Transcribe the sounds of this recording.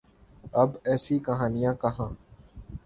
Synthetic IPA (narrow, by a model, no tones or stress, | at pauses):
əbɛːsikəɦaːnɪjãːkəɦãː